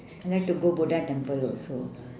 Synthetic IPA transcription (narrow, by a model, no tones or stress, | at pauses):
nd̪ɛʈːuɡoboɖaʈɛ̃mpəlɔlso